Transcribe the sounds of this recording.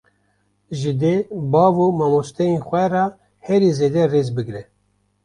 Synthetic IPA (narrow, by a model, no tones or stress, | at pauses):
ʒɨd̪ebɑːvumɑmost̪ɛjenxʷɛrɑ | hɛɾizeːd̪ɛreːzbɨɡɾɛ